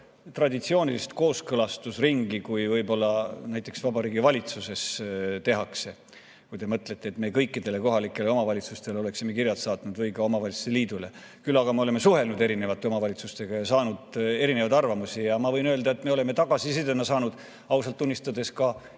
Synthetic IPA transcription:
t̪rɑd̪it̪sio̞ːnʲilist̪ko̞ːskɤlɑst̪usriŋɡikujvɤjbo̞lːɑnæjt̪ːˑe̞ksvɑbɑɾiːɡivɑlʲit̪suse̞st̪e̞ɦɑkse̞ | kujd̪e̞mɤt̪let̪ːeːt̪me̞ːkɤjkːid̪̥e̞le̞ko̞ɦɑlikːˑe̞leo̞mɑvɑlʲit̪sust̪e̞leo̞le̞ksimekirjɑt̪sɑːt̪nud̪vɤjkɑo̞mɑvɑlʲit̪su̥st̪eliːd̪̥ule̞̰ | kylːɑɡ̥ɑmeo̞le̞mesuhe̞lnud̪e̞ɾine̞vɑt̪ːe̞o̞mɑvɑlit̪sust̪e̞ɡ̥ɑjɑsɑːnud̪e̞ɾine̞vɑjd̪ɑrvɑmusijɑmɑvɤ̞jnøːld̪ɑe̞t̪ːmeole̞me̞t̪ɑɡ̥ɑsised̪enɑsɑːnud̪̥ | ɑwsɑlt̪ːunʲːist̪ɑd̪e̞skɑ

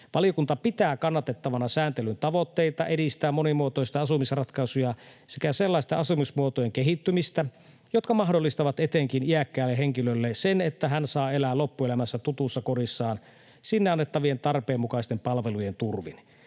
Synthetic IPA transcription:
ʋɑlijokunt̪ɑpit̪æːkɑnːɑt̪et̪ːɑʋɑnɑsæːnt̪elynt̪ɑʋot̪ːeit̪ɑʔedist̪æːmːonimuot̪oist̪ɑɑsumisrɑt̪kɑsujɑsekæselːɑist̪ɑɑsumismuot̪ojeŋkeɦit̪ːymist̪æ | jot̪kɑmɑɦdolːist̪ɑʋɑt̪et̪eŋkiniækːæːlːeɦeŋkilølːesenet̪ːæɦænsɑːelæːlopːuelæmæsːæt̪ut̪usːɑkoɾisːɑːn | sinːeɑnːet̪ːɑʋient̪ɑrpeːmːukɑist̪empɑlʋelujent̪urʋin

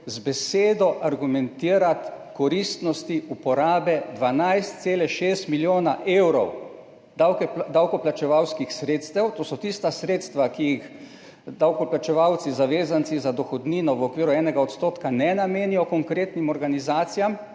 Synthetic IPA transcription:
zbɛseːd̪ɔʔaɾɡumɛnt̪iːɾat̪kɔɾist̪nɔst̪iupɔɾaːbɛd̪ʋanajst̪̚seːlɛʃeːst̪miljoːnaʔewɾɔw | d̪awkd̪awkɔplat͡ʃɛʋawskixsɾeːt̪st̪ɛwt̪oːsɔt̪ist̪asɾeːt̪st̪ʋakijix | d̪awkɔplat͡ʃɛʋawt̪sizaʋeːzant̪sizad̪ɔxɔd̪niːnɔʋɔkʋiːɾuɛːnɛɡaɔt̪st̪oːt̪kanɛnameːnijɔkɔŋkɾeːt̪nimɔɾɡanizaːt̪sijam

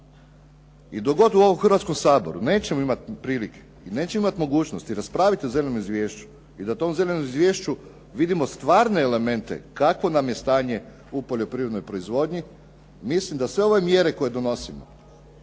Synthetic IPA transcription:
id̪o̞ɡo̞d̪uo̞ʋomxəɾʋat̪skomsaːbo̞̰ɾṵne̞ːt͡ɕemoimat̪pɾiːlike̥ | ine̞ːt͡ɕemoimat̪moɡuːt͡ʃno̞st̪iɾaspɾaːʋit̪iozelʲenomizʋʲje̞ːʃt͡ʃu̥ | id̪at̪o̞mze̞lenomizʋje̞ːʃt͡ʃu | ʋid̪imo̞st̪ʋaːɾne̞ːle̞me̞nt̪e̞̰kakʋo̞namje̞st̪aːɲe̞ | upo̞ʎo̞pɾiʋɾe̞d̪nojpɾoizʋo̞d̪ɲi | mislimd̪asʋe̞oʋemje̞ɾe̞ko̞je̞d̪o̞no̞simo̰

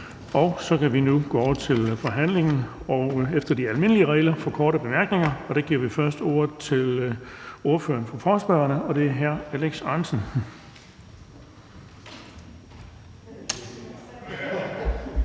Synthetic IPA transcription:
ɒ̽ʊsɒ̽kʰæʋinuɡ̥ɔɒʊ̰ɐt͡sʰe̝lfɒ̽ɦæn̰le̝ŋn̩ɒʊefd̥ɐd̥iælme̝nəliəʁɛɪlɐfɒ̽kʰɒːɾəb̥e̝mæɐɡ̥neŋɐɒ̽d̥æ̈ɡ̥iɐ̰ʋifɶɐsd̥o̝ːɐ̰ð̩ˠt͡sʰe̝l | o̝ɐfø̰ːɐnfʁɑfɒːsb̥ɶɐnəɒ̽d̥e̝æɐɦæɐ̰æleɡ̥sɑ̈ːnsən̩

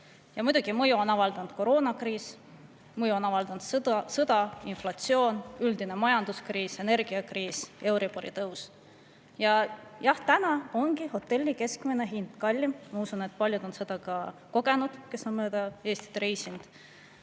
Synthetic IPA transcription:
jɑmud̪uɡ̥imɤjuonɑvɑld̪ɑnd̪̥̚ko̞ɾo̞ːnɑkriːs | mɤjuonɑvɑld̪̥ɑnd̪̥sɤd̪̥ɑinflɑt̪sio̞ːnyld̪ine̞mɑjɑnd̪̥uskriːse̞ne̞rɡ̥iɑkriːse̞wɾipoɾḭt̪ɤws | jɑjɑht̪ænɑo̞ŋɡiho̞t̪ːˑe̞lʲːike̞skmine̞ɦind̪̥kɑlʲːimmɑusune̞t̪̚ːˑpɑlʲjud̪̥o̞nsed̪̥ɑkɑko̞ɡ̥e̞nud̪̥ke̞sːonmøːd̪̥ɑe̞ːst̪i̥t̪rejsind̪̥

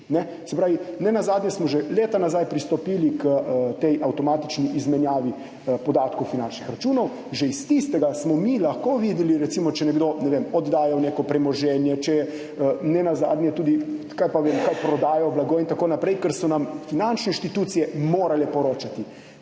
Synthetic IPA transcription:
nɛ | sɛpɾaːʋinɛnazaːd̪nʲjɛsmɔʒɛleːt̪anazajpɾist̪ɔpiːlikət̪ɛjʔawt̪ɔmaːt̪it͡ʃniʔizmɛnjaːʋi | pɔd̪aːt̪kowfinant͡ʃnixɾat͡ʃuːnɔw | ʒɛist̪ist̪ɛɡasmɔmilaxkoʋid̪ɛliɾɛt̪simɔt͡ʃɛnɛɡd̪onɛʋemɔd̪d̪aːjawneːkɔpɾɛmɔʒɛnjɛt͡ʃɛjɛ | ənɛnaza̰ːd̪nʲjɛt̪uːd̪i | kajpaʋemkajpɾɔd̪aːjɔblaɡoːint̪akoːnapɾɛjkɛɾsɔnamfinant͡ʃnɛĩnʃt̪it̪uːt̪sijɛmoːɾalɛpɔɾoːt͡ʃat̪i

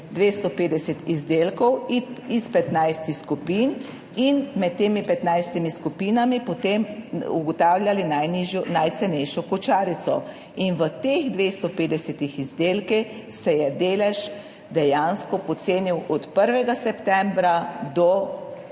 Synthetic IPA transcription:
d̪ʋest̪ɔpeːd̪ɛsɛt̪izd̪eːlkɔwispɛt̪najst̪ixskupiːn | inmɛt̪t̪ːeːmipɛt̪najst̪imiskupiːnamipɔt̪emṵɡɔt̪aːwlʲjalinajniʒjɔnajt̪sɛnɛjʃɔkɔt͡ʃaːɾit̪sɔ̰ | inʋət̪eɣd̪ʋest̪ɔpeːd̪ɛsɛt̪ixizd̪eːlkix | sɛjɛd̪eːlɛʃ | d̪ɛjanskɔpɔt̪seːniwʔɔt̪pəɾʋɛɡasɛpt̪ɛ̃mbɾad̪ɔ

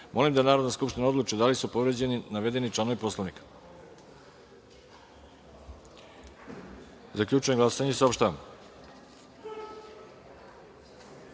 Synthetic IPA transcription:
mʔo̞limd̪anaːɾod̪naskupʃt̪inao̞d̪lˠut͡ʃid̪alisupo̞ʋɾe̞d͡ʑe̞ninaʋe̞d̪e̞nit͡ʃlano̞ʋipo̞slˠaʋnikḁ | zakʎut͡ʃujeɡlasaɲesaopʃt̪aʋam

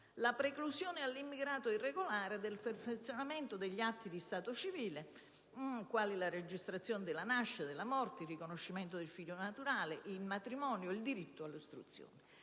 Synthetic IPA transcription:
lapɾeklusjoːnɪalːimːiɡɾaːt̪oirːeɡolaːɾed̪elferfet̪sːjonament̪od̪eʎːiat̪ːid̪ist̪aːt̪ot͡ʃiviːle | kwaːlilared͡ʒːist̪ɾat̪sːjoːnɪd̪ɪlanaʃːad̪ɪlamɔrt̪eirːikonoʃːimɛnt̪od̪elfiʎːonat̪uɾaːleʔilmat̪ɾimɔːnjoild̪iɾit̪ːoalːost̪ɾṵt̪sːjo̰ːnɪ

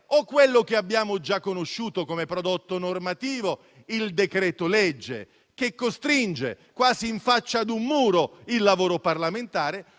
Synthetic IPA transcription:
okːwelːokeabːjaːmod͡ʒakːonoʃːuːt̪okomepɾod̪ot̪ːonormat̪iːvo | ild̪ekɾɛːt̪olɛd͡ʒːḛ | kekːost̪ɾind͡ʒe | kwaːziːɱfat͡ʃːad̪umːuːɾoilːavoːɾoparlament̪aːɾe

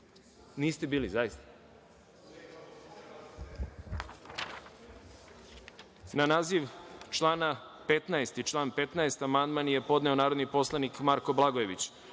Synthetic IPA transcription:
niːst̪ebiːlizajist̪a | nanaːziʋt͡ʃlˠaːnapet̪naest̪it͡ʃlˠaːnpe̞t̪naest̪amand̪manje̞po̞d̪neo̞naːɾo̞d̪nipo̞slˠanikmaɾko̞blˠaɡoje̞ʋit͡ɕ

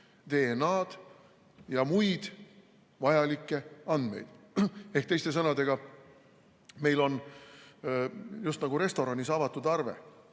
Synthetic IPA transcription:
t̪e̞ːnɑːd̪̥ | jɑmujd̪̥ | vɑjɑlikːˑe̞ɑnd̪̥me̞̰jd̪̥ | ehk̚t̪e̞jst̪e̞s̬ɤnɑd̪e̞ɡ̥ɑ | me̞jlo̞n | just̪nɑɡuɾe̞st̪o̞ɾɑnʲisɑvɑt̪ːˑud̪̥ɑrvḛ

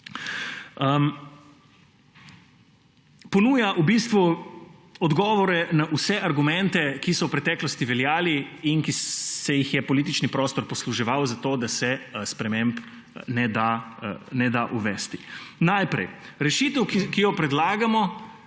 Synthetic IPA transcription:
pɔnuːjaʔubist̪ʋu | ɔd̪ɡɔːʋɔɾɛnaʔusɛʔaɾɡumɛ̃nt̪ɛkisɔwpɾɛt̪ɛklɔst̪iʋɛljaːliːnkisɛjixjɛpɔliːt̪̬it͡ʃnipɾɔːst̪ɔɾpɔsluʒɛʋawzat̪oːd̪asɛspɾɛmẽmp | nɛd̪anɛd̪aʔuʋɛst̪inajpɾɛ̰jɾɛʃiːt̪əwkijɔpɾɛd̪laːɡamɔ

